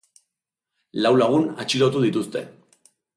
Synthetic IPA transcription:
lawlaɣ̞unat͡ʃilot̪uðit̪ust̪e̞̰

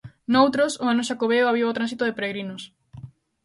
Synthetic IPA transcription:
nowt̪ɾosʊanoʃakoβeoaβiwawt̪ɾãnsit̪oðepeɾeɣɾinʊs

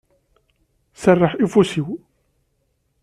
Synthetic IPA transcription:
sɑrˤːəħʔifusiw

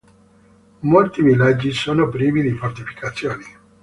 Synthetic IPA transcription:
molt̪ivilːad͡ʒːisoːnopɾiːvid̪ifort̪ifi̥kat̪sːjoːni

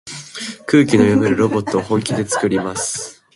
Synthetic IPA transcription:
kɯ̟ːkʲino̞jobeɾɯ̟ɾo̞bo̞t̪ːo̞ːhõ̞ŋkʲid̪e̞t͡sɨ̥kɯ̟ɾʲimasɨ̥

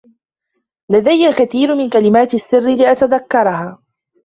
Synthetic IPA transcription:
lad̪ajːalkaθiːɾmɪnkalɪmaːt̪asːɪrːɪlɪʔat̪aðakːɑɾˤɑhaː

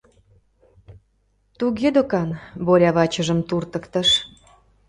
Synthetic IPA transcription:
t̪uɣed̪okɑnboɾʲɑβɑt͡ɕəʒəmt̪urt̪ə̆kt̪ə̆ʃ

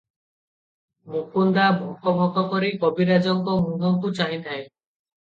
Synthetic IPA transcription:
mukund̪abʱɔkɔbʱɔkɔkɔɾikɔbiɾad͡ʒɔŋkɔmunɔtut͡ʃaɦĩt̪ae

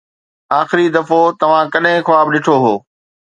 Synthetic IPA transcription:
aːxɪɾid̪ɐfot̪ɐʋ̤ãkɐɗɦɪ̃xʊʋaːbɗɪʈʰoɦoː

